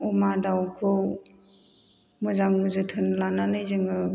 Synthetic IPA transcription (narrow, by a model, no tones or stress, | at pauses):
ɔmadawkʰɯw | mɯzaŋmɯzɯtʰɯnlananɯjzɯŋɯ